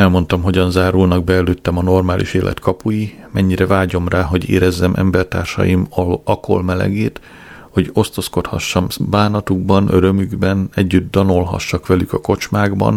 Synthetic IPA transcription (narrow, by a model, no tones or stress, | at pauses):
ɛlmo̞nt̪ɒmɦo̞ɟɒnzaːɾulnɒɡ̚bɛːløːt̪ːɛmɒno̞rmaːlʔḭʃeːlʔɛ̰t̪kʰɒpuji | mɛɲːiɾɛvaːɟo̞mraːɦo̞ɟḛːɾɛzːɛmʔɛ̰mbɛrt̪a̰ːrʃɒ̰jimɒɒko̰lmɛlɛ̰ɡeːt̪ | ho̞ɟo̞st̪o̞skot̪hɒ̰ʃːɒmbaːnɒt̪uɡ̚bɒnøɾømyɡbɛnɛɟːyd̪ːɒno̞lɦɒ̰ʃːɒkʋɛlykɒko̞t͡ʃmaːɡbɒ̰n